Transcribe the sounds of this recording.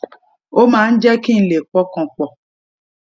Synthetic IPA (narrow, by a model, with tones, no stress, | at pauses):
o˦mãː˦n̩˦d͡ʒɛ˦kĩ˦n̩˨le˨k͡pɔ˧kɔ̃˨k͡pɔ˨